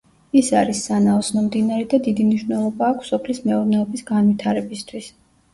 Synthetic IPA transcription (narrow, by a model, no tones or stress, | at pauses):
isaɾisːanaɔsʰnɔmd̪inaɾɛd̪ad̪id̪imniʃvnɛlˠɔbaːkʰsɔpʰlismɛuɾnɛɔbisɡanvit̪ʰaɾɛbist̪ʰwis